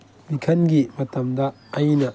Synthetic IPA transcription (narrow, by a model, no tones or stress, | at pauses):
mikʰɐnɡimɐtɐmdɐː | jnɐ